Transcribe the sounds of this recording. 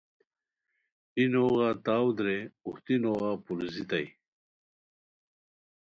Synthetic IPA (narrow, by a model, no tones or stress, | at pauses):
inoːɣat̪aːwd̪ɾeuht̪inoːɣapuɾzit̪ɐj